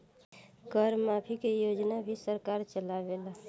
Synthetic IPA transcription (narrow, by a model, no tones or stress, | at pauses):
ɡəɾmapʰikejod͡ʒnabʱisəɾkaɾt͡ʃəlabela